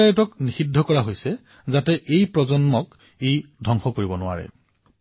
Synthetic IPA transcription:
aɹitɔknixidʱɔkɔɹaɦojsɛ | zatɛʔejpɹɔzɔnmɔk | ejdʱɔŋxɔkoɹibɔnʊwa̰ɹɛ̰

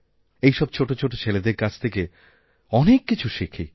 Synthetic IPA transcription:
ejʃɔb̚t͡ɕʰoʈot͡ɕʰoʈot͡ɕʰeled̪eɾkat͡ɕʰt̪ʰeke | ɔnekːit͡ɕʰuʃikʰi

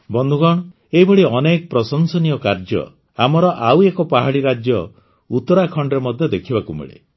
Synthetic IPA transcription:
bɔnd̪ʱuɡɔɽ̃ɔ | eɦibɔɽiɔnekɔpɾɔsɔnsɔnijɔkaɾd͡ʒɔ̰ | amɔɾɔʔawekɔpaɦaɽiɾad͡ʒjɔ | ut̪ɔɾakʰɔɳɖɔɾemɔd̪ʱjɔd̪ekʰibakumḭɭḛ

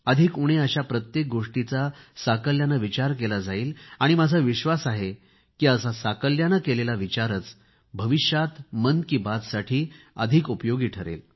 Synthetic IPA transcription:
əd̪ʱikuɽ̃eəɕapɾət̪jek̚ɡoʂʈit͡sasakəljanəʋit͡ɕaɾkelad͡zaiːlaɽ̃imad͡zʱəʋiɕʋasaɦe | kiːəsasakəljanəkelelaʋit͡ɕaɾət͡s | bʱəʋiɕjat̪mənkiːbad͡z̪saʈʰiː | əd̪ʱikupjoɡiːʈʰəɾḛl

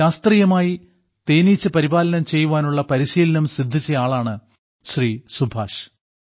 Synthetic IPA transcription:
aːst̪riːjɐmaːji | t̪eːnit͡ɕːɨpɐɾibaːlɐnɐmt͡ɕe̞jːuʋaːnuɭːɐpɐɾiɕiːlɐnɐmsid̪ʱːit͡ɕːɐjaːɭaːɳɨ | ɕriːsubʱa̰ːʂ

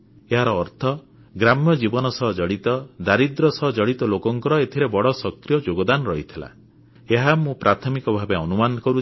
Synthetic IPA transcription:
eɦaɾɔːɾt̪ʰɔ | ɡɾamjɔd͡ʒibɔnɔsɔɦɔd͡ʒɔɽit̪ɔd̪aɾid̪ɾɔsɔɦɔd͡ʒɔɽit̪ɔlokɔŋkɔɾɔet̪ʰiɾebɔɽɔsɔkɾijɔd͡ʒoɡɔd̪anɔɾɔɦit̪ʰila̰ | eɦamũpɾat̪ʰɔmikɔbʱabeɔnumanɔkɔɾu

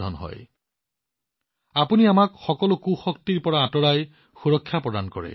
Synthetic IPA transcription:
ɔ̰nɦɔ̰j | apuniamakxɔkɔlokuxɔktiɹpɔɹaːtɔɹaj | xuɹɔkʰːjapɹɔdankɔɹɛ̰

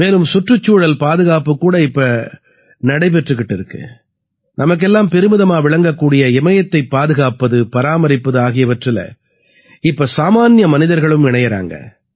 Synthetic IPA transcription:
meːlɯmsʊʈrɯt͡ʃːuːɽɐlpaːðɯɣaːpɯkːuːɽɐɪpːɐ | nɐɽɐɪpɛʈrɯkːɪʈːɪɾɯkːɯ̰ | nɐmɐk̬ːɛlːaːmpɛɾɯmɯðɐmaːʋɪɭɐŋɡɐkːuːɽɪjɐɪmɐjɐt̪ːɐɪpːaːðɯɣaːpɐðɯpɐɾaːmɐɾɪpːɐðɯaːɣɪjɐʋɐʈrɪlɐ̰ | ɪpːɐsaːmaːnjɐmɐnɪðɐɾɣɐɭɯmɪɳɐjɐɾa̰ːŋɡɐ̰

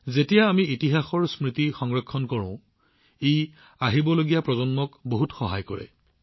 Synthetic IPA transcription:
zetijaːmiitiɦaxɔɹsmɹitixɔŋɹɔkʰːɔnkɔɹɔ̰̃ʊ̃ | ej | aɦibɔloɡijapɹɔzɔnmɔkboɦutxɔɦa̰jkɔɹɛ̰

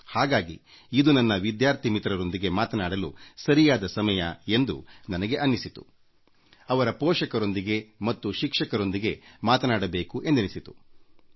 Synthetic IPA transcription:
haːɡaːɡḭ | id̪unɐnːɐʋid̪jaːɾt̪ʰimit̪ɾɐɾo̞nd̪iɡe̞maːt̪ɐnaːɽɐlusɐɾijaːd̪ɐsɐmɐjɐe̞nd̪ṵnɐnɐɡe̞ʔɐnːisit̪u̥ | ɐʋɐɾɐpɔːʃɐkɐɾo̞nd̪iɡe̞mɐt̪ːuʃikʂɐkɐɾo̞nd̪iɡe̞maːt̪ɐnaːɽɐbe̞ːkuʔe̞nd̪ɐnisit̪u̥

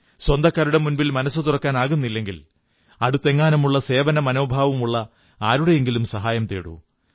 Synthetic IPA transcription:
swɐnd̪ɐkːaːɾuɽe̞munʋilmɐnɐsːɨt̪urɐkːaːnaːɣunːilːe̞ŋɡil | ɐɽut̪ːe̞ŋːaːnɐmuɭːɐse̞ːʋɐnɐmɐno̞ːbʱaːʋɐmuɭːɐ | aːɾuɽe̞jeŋɡilumsɐɦaːjɐmt̪eːɽṵ

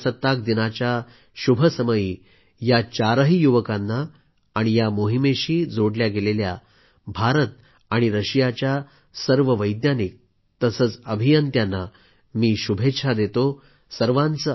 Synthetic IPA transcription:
sət̪ːak̚d̪inat͡ɕja | ɕubʱəsəməjiː | jat͡ɕaɾəɦijuʋəkanːaː | ɽ̃ijamoɦimeɕiːd͡zoɽljaɡelelja̰ | bʱaɾət̪̚ | aɽ̃iɾəɕijat͡ɕja | səɾʋəʋəjd̪nanik̚ | t̪əsət͡səbʱijənt̪janːa | miːɕubʱetːʂʰad̪et̪o | səɾʋãnt͡sə

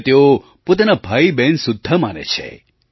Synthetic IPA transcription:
t̪eo | pot̪anabʱaibɛnsʊd̪ʱːəmanḛt͡ʃʰḛ

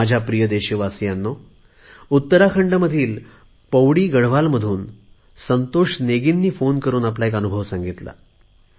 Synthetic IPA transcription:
ad͡ʑʱjapɾijəd̪eɕiʋasjanːo | ut̪ːəɾakʰəɳɖəməd̪ʱiːl | pəʋɽiːɡəɽʋalməd̪ʱuːn | sənt̪oʂneɡinːiːfonkəɾuːnaplaekənubʱəʋsãŋɡit̪la̰

